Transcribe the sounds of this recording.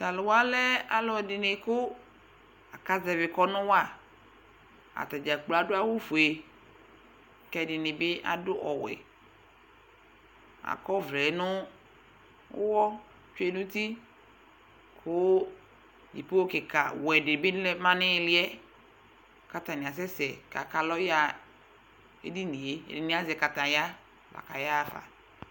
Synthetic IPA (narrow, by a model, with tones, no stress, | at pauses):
sa˨lʊ˨wa˦lɛ˦a˨lɔ˨dɪ˨nɪ˨kʊ˦ | a˨ka˦zɛ˨vɪ˨kɔ˦nʊ̃˦wa˦˨ | a̰˨t̪a˨d͡ʒa˨k͡pla˨dʊ˦a˦wu˦fu˨e˨ | kɛ˦dɪ˨nɪ˨bɪ˦ʔa̰˨dʊ˦ʔɔ˨wɛ̰˨ | a̰˨kɔ˦vlɛ˨˦nʊ̃˦ | ʊ̰˦wɔ˦ | t͡ʃu˦e˦nʊ̃˦ti˦ | kʰʊ˦ | jḭ˨po˦kɪ˨ka˨wɛ˨dɪ˨bɪ˦lɛ˦mã˦nɪ̃˦lɪ˦ɛ˦ | ka˨tã˨nɪ˨a˨s̬ɛ˦sɛ˨ka˨ka˨lɔ˦ja˦ | ḛ˦di˦ni˨ḛ˦˨dɪ˨nɪ̃˦a˦zɛ˨ka˨tã˨ja˦ | va̰˨ka˨ja˦˨fa̰˨